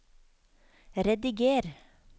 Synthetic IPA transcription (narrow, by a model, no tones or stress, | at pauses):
ɾɛd̪ɪɡeːɾ